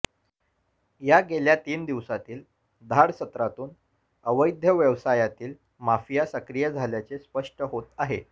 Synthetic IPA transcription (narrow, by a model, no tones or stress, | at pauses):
jaɡeljat̪iːnd̪iʋsat̪iːl | d̪ʱaɽsət̪ɾat̪uːn | əʋəjd̪ʱjəʋjəʋsajat̪iːl | mafijasəkɾijəd͡zʱaljat͡sespəʂʈəɦot̪aɦḛ